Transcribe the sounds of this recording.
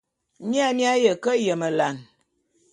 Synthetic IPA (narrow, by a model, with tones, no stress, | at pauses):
mi˦a˦mja˦jə˨kə˦jə˨mə˨la˨n